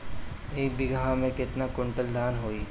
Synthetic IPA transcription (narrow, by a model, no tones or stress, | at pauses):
eːk̚bʱiɡəɦãmẽkɪt̪nakʊ̃ɳʈəld̪ʱaːnɦoːiː